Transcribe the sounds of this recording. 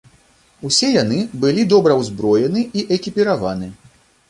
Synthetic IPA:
usʲɛjanɨbɨlʲid̪ɔbɾɐwzbɾɔjɛnɨiʔɛkʲipʲiɾavanɨ

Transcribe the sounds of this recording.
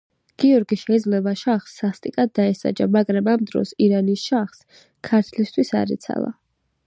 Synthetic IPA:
ɡ̥iɔɾɡiʃɛid̪zlɛbaʃaχsːast̪ʼikʼad̪ːaɛsa̰d͡ʒamaɡɾamamd̪ɾɔ̰siɾanisʃaχs | kʰaɾt̪ʰlist̪ʰwisa̰ɾḭt̪sʰa̰lˠa̰

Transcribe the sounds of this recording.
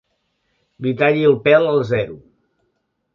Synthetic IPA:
lit̪aʎiəlˠpɛləlˠzɛɾu

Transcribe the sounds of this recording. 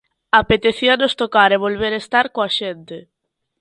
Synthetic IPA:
apet̪eθianost̪okaɾeβolβ̞eɾest̪aɾkoaʃent̪e

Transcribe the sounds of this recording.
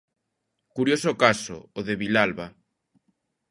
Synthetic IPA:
kuɾjosokaso̰ːðeβilalβa

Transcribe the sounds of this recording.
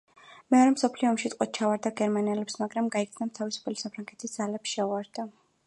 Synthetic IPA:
mɛɔɾɛmsɔpʰliɔːmʃit̪ʼqʼɔt̪̚t͡ʃʰavaɾd̪aɡɛɾmaniɛlɛpsmaɡɾamɡaikʰd̪snamt̪ʰavisu̥pʰɛlisapʰɾaŋɡɛt̪ʰisd̪z̥alɛpsʃɛuaɾd̪a

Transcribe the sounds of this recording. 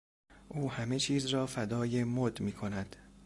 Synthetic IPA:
ʔuːhæme̞t͡ʃʰiːzrɒːfæd̪ɒːjemod̪miːkʰonæd̪̥

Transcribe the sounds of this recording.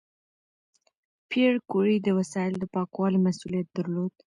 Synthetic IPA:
pʰeɽkuɽid̪əwasɑɪld̪əpɑkwɑlimasulijat̪̚d̪̥aɾlod̪

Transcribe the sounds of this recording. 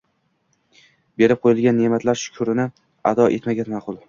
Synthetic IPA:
be̞ɾɪp̚qʰojɪlˠɡʲanːemat̪ʰlaɾʃʊ̥kʰʊɾɪnɪ | ad̪ɒʔe̞t̪maɡʲamaqʰʊlˠ

